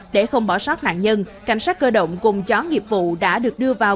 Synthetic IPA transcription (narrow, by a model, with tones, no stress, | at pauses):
ɗe˧˩xə˧wŋ͡mɓɔ˧˩saː˦˥t̚na̰ː˧˨nɲə˧nka˧˩jŋ̟saː˦˥k̚kəː˧ɗə̰˧˨wŋ͡mkʊ˨˩ŋ͡mt͡ɕɔ˨˦ŋi˨˩əp̚vṵ˧˨ɗa̰ː˧˥ɗɨ˨˩ək̚ɗɨ˧əvaː˨˩w